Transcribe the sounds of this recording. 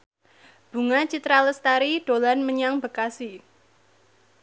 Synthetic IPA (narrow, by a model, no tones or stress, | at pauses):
b̥ṳŋat͡ʃit̪ɾaləst̪aɾiɖ̥o̤lanməɲaŋb̥ə̤kasi